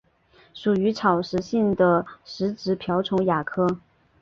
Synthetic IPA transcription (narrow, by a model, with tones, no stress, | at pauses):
ʂu˨˩y˧˥ʈ͡ʂʰɑ˨˩ʊʂɻ̩˧˥ɕi˥˩ŋd̪ə˩ʂɻ̩˧˥ʈ͡ʂɻ̩˧˥pʰjɑ˧˥ʊʈ͡ʂʰʊ˧˥ŋja˨˩kʰɤ˥˩